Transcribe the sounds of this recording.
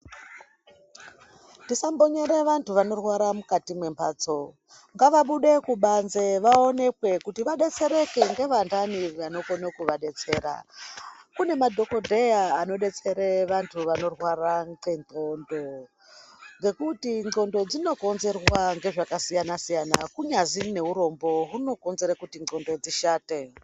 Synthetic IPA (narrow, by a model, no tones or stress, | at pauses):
tisambo̞ɲeɾeʋantuʋano̞rwaɾamukatimwe̞mba̰ːt͡so̞ | ŋɡaʋaɓuɗekuɓanzeʋao̞ne̞kwe̞kutiʋaɗe̞t͡se̞ɾe̞ke̞ŋɡe̞ʋandaniʋano̞konokuʋaɗe̞t͡se̞ːɾa̰ | kune̞madʱo̞ko̞dʱe̞jaːno̞ɗe̞t͡se̞ɾeʋantʰuʋano̞rwaraŋɡe̞ŋo̞ndo | ŋɡe̞kutiŋɡo̞ndo̞d͡zino̞ko̞nze̞rwaŋɡe̞ʐakasijanasijana̰kuɲazine̞ɦuɾo̞mbo̞ɦuno̞ko̞nze̞ɾakutio̞ndo̞d͡ziʃaːte̞